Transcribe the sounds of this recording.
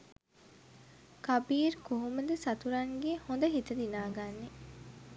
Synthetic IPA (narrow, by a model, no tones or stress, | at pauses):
kɐbiːɾkuɦuməd̪əsɐt̪uɾɐŋɡehond̪əɦit̪əd̪inaːɡanːe